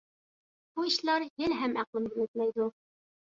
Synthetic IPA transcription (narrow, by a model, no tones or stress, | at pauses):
b̥uĭɕlɑɾjɘ̆lɦæmæqlˠɤmɡɘ̆lɘt̪̚mæjd̪u